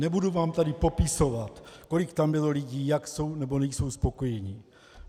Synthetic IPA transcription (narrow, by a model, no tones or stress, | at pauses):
nɛbuduvaːmt̪adɪpo̞pɪso̞vat̪ko̞likt̪ambɪlo̞liɟiːjakso̞wnɛbonɛjso̞wspo̞ko̞jɛɲiː